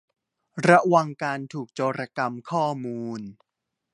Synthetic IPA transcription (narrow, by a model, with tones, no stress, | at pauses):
ɾa˦˥wa˧ŋkaː˧nt̪ʰuː˨˩k̚t͡ɕoː˧ɾa˧ka˧mkʰɔː˥˩muː˧n